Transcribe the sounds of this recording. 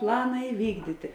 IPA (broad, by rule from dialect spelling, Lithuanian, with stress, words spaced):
ˈplˠɑːnɐ ɪˈʋʲiːɡdʲiːtʲɪ